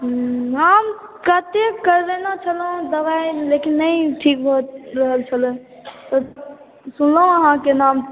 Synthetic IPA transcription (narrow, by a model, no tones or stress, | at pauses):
ɦəmkət̪ekəɾd̪enat͡ʃʰəlɦũd̪əbajlekinːəjʈʰikbʱot̪ɾəɦəlt͡ʃʰələ̃ | t̪ɔ | sunləɦũəɦãkenam